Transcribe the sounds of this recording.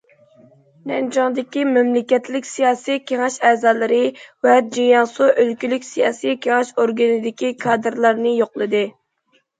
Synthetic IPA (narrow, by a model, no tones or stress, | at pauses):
nɛnd͡ʒɑŋd̪ɪkʲimɛmlɪkʲɛt̪lɪkʲsijɑːsijkʲʰeŋɪʃɛːzɑːlˠɨɾɨwɛd͡ʒijɑnsuʔølkʲylykʲsijɑ̰ːsijkʲʰeŋɛʃoɾɡɨnɨd̪ɪkʲikʰɑːd̪ɨɾlˠɑɾnɨjoqlˠɨd̪ɨ